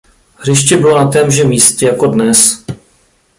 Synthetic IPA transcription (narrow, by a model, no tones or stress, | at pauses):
ɦr̝ɪʃcɛbɪlonat̪ɛːmʒɛmiːscɛjako̞dnɛs